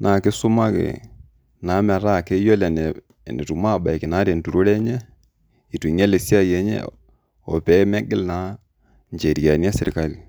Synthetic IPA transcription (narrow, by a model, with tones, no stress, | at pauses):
nʔa˨kɪ˦sʊ˦ma˦kḛ˨ | na˨˦mɛ˨ɾa˦˨kɛ˦jɔ˦lɛ˨nɛ˨ | nɛ˨tu˨ma˦˨ɓa˨i˨kɪ˨naː˨˦ɾe˨n˨tu˨ɾu˦lɛ˦ɲɛ˦ | i˨tu˨ɲɛ˦le˨si˦a˦jɛ˨˦ɲɛ̰˦ | ɔ̰˨pɛ˦mɛ˦ɡɪ˦lna˨˦ | ɲd͡ʒe˨ɾi˨a˨n˦a˦sɪ˨ɾka˦li˨